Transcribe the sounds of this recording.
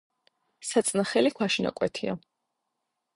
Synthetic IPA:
sat̪sʼnaχɛlikʰwaʃina̰kʼwɛt̪ʰia

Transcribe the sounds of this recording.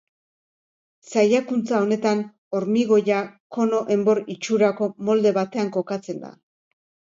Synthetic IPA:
sajakunt͡sao̞ne̞t̪an | o̞ɾmiɣo̞jako̞no̞ʔe̞mbo̞ɾit͡ʃuɾako̞mo̞ld̪e̞βat̪e̞aŋko̞kat͡se̞nd̪a̰

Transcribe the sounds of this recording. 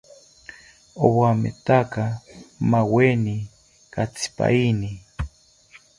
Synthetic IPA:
owamḛt̪akamaweni | kat͡sʰi̥pa̰ini

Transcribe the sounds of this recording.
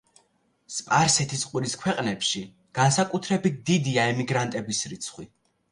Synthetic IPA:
spʼaɾsɛt̪ʰisqʼwiɾiskʰwɛqʼnɛpʃi | ɡ̥ansakʼut̪ʰɾɛbit̪̚d̪id̪iaɛmiɡɾant̪ʼɛbisɾit̪sʰχwi

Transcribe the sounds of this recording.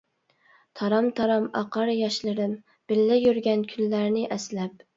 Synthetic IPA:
t̪ʰɑɾɑmt̪ʰɑɾɑmɑ̰qɑɾjɑʃlɨɾɪm | b̥ɪlːæjyɾɡʲɛnkʲʰylːæɾnɪʔæslæp̚

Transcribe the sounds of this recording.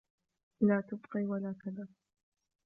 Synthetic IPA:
laːt̪ʊbqiːwalaːkaðaː

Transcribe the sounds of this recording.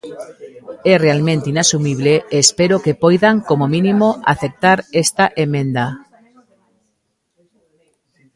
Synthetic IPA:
erealmẽnt̪einasumiβ̞leːspeɾokepojðaŋkomomĩnĩmoʔa̰θek̚t̪aɾest̪aʔemẽnd̪a

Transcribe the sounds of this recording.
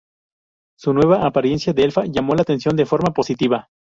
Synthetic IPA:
sunwe̞β̞aʔːpaɾje̞nsjaðeelfaʝamo̞lat̪e̞nsjo̞nd̪e̞fo̞ɾmapo̞sit̪iβa

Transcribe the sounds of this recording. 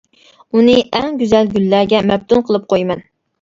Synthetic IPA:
unɨʔɛŋɡʲyzælɡʲylːæɾɡʲɛmɛb̚t̪ʰunqʰəlˠɨp̚qʰojmɛn

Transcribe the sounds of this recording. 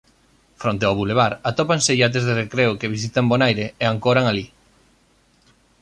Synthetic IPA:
fɾont̪eaβuleβaɾat̪opaŋseʎat̪̬ezðerekɾeʊkeβ̞is̬it̪ambonajɾeeaŋkoɾaŋali

